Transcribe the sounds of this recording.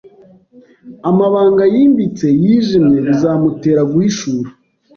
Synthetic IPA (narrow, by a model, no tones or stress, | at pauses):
amaβaːŋɡajiːmbit͡se̞jiːʒimɲe̞βizaːmute̞ːɾaɡuhiʃuːɾu